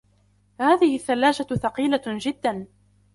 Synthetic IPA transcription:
haːðɪhɪθːalːaːd͡ʒaθɑqiːlad͡ʒɪd̪ːan

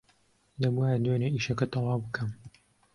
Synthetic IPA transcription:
lɐbuaːjɐd̪weːneiːʃɐkɐt̪ɑlɑːwbɨkʰɐm

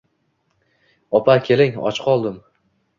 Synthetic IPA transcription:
ɒpʰakʲʰe̞lɪŋɒ̰t͡ʃqʰɒlˠd̪ɪm

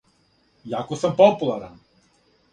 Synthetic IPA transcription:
jakusəmpɔpulaɾa

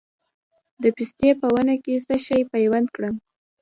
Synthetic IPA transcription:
d̪əpist̪epəwanakesəʃajpajwand̪kɽəm

